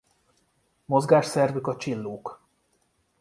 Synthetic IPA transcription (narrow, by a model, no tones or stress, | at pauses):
mo̞zɡaːʃsɛrvykɒt͡ʃilːoːk